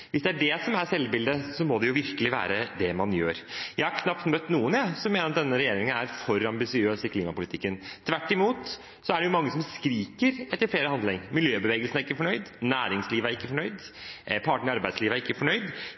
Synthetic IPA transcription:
ʋɪsd̪ɛæɖɛsɔmæɾsɛlːbɪld̪əsɔmɔd̪ɛjʊʋɪɾkəlɪʋæ̰ːɾəd̪ɛmɑnjøːɾjæɪhɑɾkʰnɑpt̪mœt̪ːnuːənjæsɔmeːnəɾɑt̪̚d̪ɛnːəɾɛjeːɾɪŋənæ̰ɾfɔɾːɑmbɪsɪøːsɪkʰliːmɑpʊlɪt̪ɪkːənt̪ʰʋæʈːɪmuːt̪ | sɔæɖɛjʊmɑŋːəsɔmskɾiːkəɾɛt̪ːəɾfleːɾəhɑnd̪lɪŋmɪljøːbəʋeːɡəlsənæɾɪkːəfɔɳœʏd̪næːɾɪŋsliːʋəæɾɪkːəfɔɳœʏd̪ | pʰɑʈəɳɪɑɾbæɪsliːʋæɾɪkːəfɔɳœʏd̪

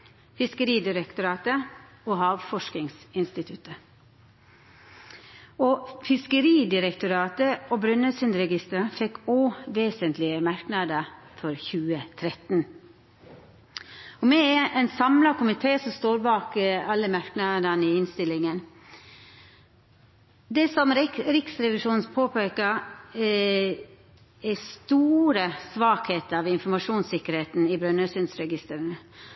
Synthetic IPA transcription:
fɪskəɾiːd̪ɪɾəkt̪ʊɾɑːt̪ə | oːhɑːʋfɔʂkɪŋsɪnst̪ɪt̪ʰʉt̪ə | oːfɪskəɾiːd̪ɪɾəkt̪ʊɾɑːt̪əoːbɾʉnəsʏnd̪ɾɛɡɪst̪əɾfɛkːoːʋeːsənt̪lɪəmɑɾknɑd̪ə | fɔɾçʉːət̪ʰɾɛt̪n̩ | ɔmɛʔɛnsɑmlɑkʰʊmɪt̪ʰeːsɔmst̪oːɾbɑːkɑlːəmɑɾknɑd̪ənɪɪnst̪ɪlːɪŋən | d̪ɛsɔmɾɪksɾɛʋɪʂuːn̩spʰoːpʰeːkə | ɛst̪uːɾəsʋɑːkheːt̪əɑʋɪnfɔɾmɑʂuːnsɪkːəɾheːt̪n̩ɪbɾœnœsʏnsɾɛɡɪst̪əɾənə

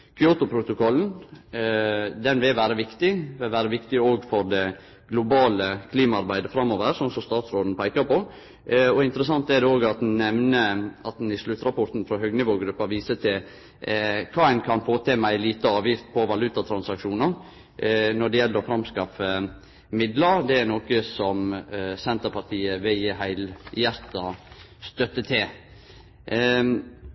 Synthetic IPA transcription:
kʰʏoːt̪ʊpʰɾʊt̪ʊkʰɔlːn̩ | d̪ɛnʋɪlʋæːɾəʋɪkt̪ɪʋɪlʋæːɾəʋɪkt̪ɪoːɡfɔɾɖ̪ɛ | ɡ̥lʊbɑːləkʰliːmɑɑɾbæɪd̪əfɾɑmːoːʋəɾsɔnsɔst̪ɑːt̪sɾoːd̪n̩pʰæɪkɑɾpɔ | ɔɪnt̪əɾəsɑnt̪ɛd̪ɛoːɡɑt̪̚d̪nnɛʋnəɑt̪̚d̪n̩ɪslʉt̪ːɾɑpɔɾt̪n̩fɾɑɦœɡnɪʋoːɡɾʉpːɑʋiːsət̪ʰɪl | kʰɑːæɪnkʰɑnfoːt̪ʰeːmæɪliːt̪əɑːʋjɪft̪pʰɔʋɑlʉt̪ɑt̪ʰɾɑnsɑkʂuːnəɾ | nɔɖɛjɛlːəɾɔfɾɑmskɑfə | mɪd̪ləɾd̪ɛæɾnoːkəsɔmsɛnt̪əɾpʰɑʈ̪ʰiːəʋɪlɦæɪljæɾt̪ɑ | st̪œt̪ːət̪ʰɪ

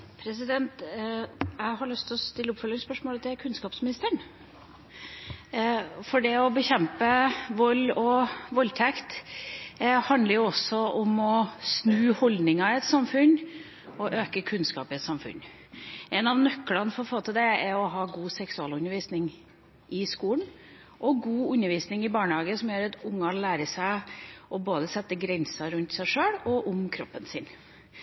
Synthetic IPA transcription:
pʰɾɛs̬ɪd̪ɛnt̪ | æɪɦɑɾɭʏst̪ʰɔst̪ɪlːəʊpfœlːɪŋspœʂmoːlət̪ʰɪlkʰʉnskɑːpsmɪnɪst̪əɳ | fɔɖɛɔbəçɛmpəʋɔlːɔʋɔlt̪ʰɛkt̪ | hɑnd̪ləɾjʊɔsɔɔmɔsnʉːhɔld̪nɪŋɑɪɛt̪sɑmfʉn | ɔʔøːkəkʰʉnskɑ̰ːpɪɛt̪sɑmfʉ̰n | ʔɛnɑʋnœkːlɑnfɔɾɔfoːt̪ʰɪd̪ɛɛɔɦɑːɡuːsɛksʉɑlʉnːəɾʋiːsnɪŋ | ʔɪskuːlən | ʔɔɡuːʉnːəɾʋiːsnɪŋɪbɑːɳəhɑːɡəsɔmjøːɾɑt̪ʊŋːɑlæːɾəʂæɪʔɔboːd̪əsɛt̪ːəɡɾɛnsɑɾʉnt̪sæɪʂøːɽɔʔʊmkʰɾɔpːənsɪn

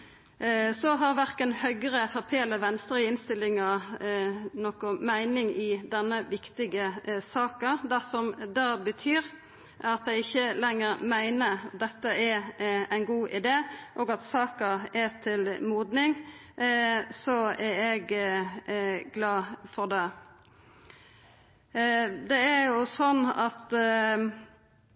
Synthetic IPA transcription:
sɔɦɑɾʋæɾkənhœɡəɾəfɔɾpʰeːləʋɛnst̪ɾəɪnst̪ɪlɪŋɑ | nɔkʊmæɪnɪŋɪd̪ɛnːəʋɪkt̪ɪɡəsɑːkəd̪æsɔmd̪ɑːbət̪ʰyːɾ | ɑt̪̚d̪æɪɪçːəlɛŋːəɾmæɪnəd̪ɛt̪ːəɛɾæɪnɡuːʔɪd̪eːʔoːɡɑt̪sɑːkəɛt̪ʰɪlmuːd̪nɪŋ | sɔæɾɛɡ | ɡlɑːfɔʁd̪ɛ | d̪ɛæɾjʊsɔnːɑt̪

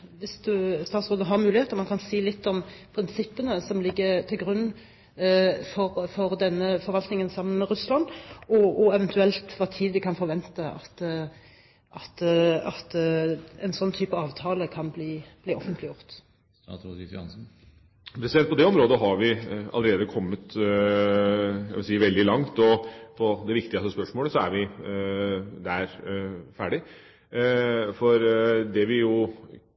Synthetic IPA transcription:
ʋɪsd̪ʉst̪ɑːt̪sʁoːd̪əɦɑɾmʉːlɪheːt̪əɾmɑnkʰɑnsiːlɪt̪ːɔmpʰɾɪnsɪpːənəsɔmlɪɡːəɾt̪ʰɪlɡɾʉnː | fɔɾfɔɾd̪ɛnːəfɔɾʋɑlt̪nɪŋənsɑmːənmɛɾʉslɑnɔʔɔɛʋɛnt̪ʉɛlt̪ʋɑt̪ʰiːd̪ʋɪkʰɑnfɔɾʋɛnt̪əɑ̰t̪ | ʔɑt̪ɑt̪ɛnsɔnːt̪ʰyːpɑɑːʋt̪ʰɑːləkʰɑnbliːb̥liːɔfənt̪lɪjʊʁt̪ | ɪɑnsn̩ | pʰɾɛsd̪ɛnt̪̚pʰɔd̪ɛɔmɾoːd̪əɦɑɾʋɪɑləɾeːd̪əkʰɔmːət̪ | ɑ̰ʋɪlsiːʋɛld̪ɪlɑŋt̪ɔpʰɔd̪ɛʋɪkt̪ɪəst̪əspœʂmoːləsɔæɾʋɪ | d̪æɾfæːɖɪ | fɔɾd̪ɛʋɪjʊ

